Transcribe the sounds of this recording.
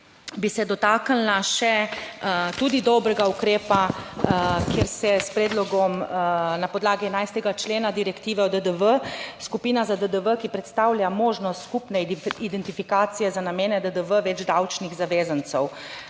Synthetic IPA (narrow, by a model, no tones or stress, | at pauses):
bisɛd̪ɔt̪aːkəlnaʃɛ | t̪uːd̪id̪ɔbɾɛɡaukɾeːpa | keːɾsɛspɾeːd̪lɔɡɔmnapɔd̪laːɡiɛnajst̪ɛɡat͡ʃleːnad̪iɾɛkt̪iːʋɛɔd̪əd̪əʋəskupiːnazad̪əd̪əʋəkipɾɛt̪st̪aːwljamoːʒnɔst̪skupnɛid̪ɛnt̪ifikaːt̪sijɛzanameːnɛd̪əd̪əʋəʋɛd͡ʒd̪awt͡ʃniɣzaʋeːzənt̪sɛw